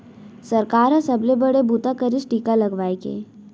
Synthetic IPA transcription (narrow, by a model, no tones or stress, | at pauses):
sɐɾkaːɾasɐblebɐɽebuːt̪akəɾɪsʈiːkalɐɡʋaːekḛː